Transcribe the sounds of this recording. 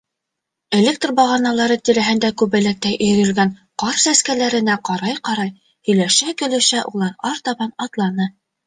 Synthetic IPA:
elʲek̚t̪rbɑʁɑnɑlˠɑɾɤt̪iɾæɦɘ̆nd̪ækʉβɘ̆læk̚t̪æjʔɵ̆j̆jɵ̆ɾɡænqɑɾsæskælæɾɘ̆næqɑɾɑjqɑɾɑj | hɵ̆jlæʃækɘ̆lɘ̆ʃæʔulˠɑɾɑɾt̪ɑβɑnɑt̪lˠɑnɤ

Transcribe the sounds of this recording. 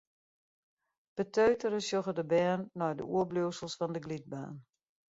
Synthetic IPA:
b̥ətʰøɥtəɾəsjoɣədəbɛːnːɔjdə̰ʔuəbluwsəlˠsfɔndəɡlit̚ba̰ːn

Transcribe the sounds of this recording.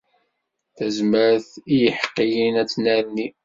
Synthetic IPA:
θæzməɾθijəħə̥qːijinæt͡sːnæɾni

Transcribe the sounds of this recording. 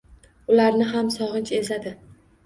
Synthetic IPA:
ʊlaɾnɪɦamsɒʁɨnt͡ʃe̞zlad̪ɪ

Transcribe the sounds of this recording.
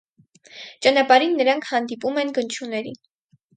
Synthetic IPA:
t͡ʃɑnɑpɑɾinːəɾɑŋkʰhɑnd̪ipumɛnɡənt͡ʃʰunɛɾḭn

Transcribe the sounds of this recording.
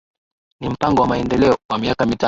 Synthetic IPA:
nim̩paŋɡɔwamaɛndɛlɛɔwamiakamita

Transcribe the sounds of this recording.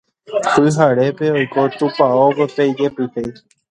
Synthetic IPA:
pɨɦaɾepeojkot̪upaoppejd͡ʒepit̪ej

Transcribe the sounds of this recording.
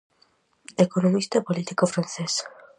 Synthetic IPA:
ekonomist̪aepolit̪ikofɾanθes

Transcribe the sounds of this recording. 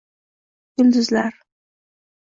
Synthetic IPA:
ɡ̥ʊld̪ʊzlaɾ

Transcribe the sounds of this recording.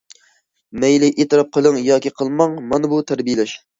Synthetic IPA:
mɛjlɪʔet̪ɨɾɑp̚qʰəlˠəŋjɑːkʲiqʰəlˠmɑŋmɑnɨbut̪ʰæɾbijɪlɛʃ

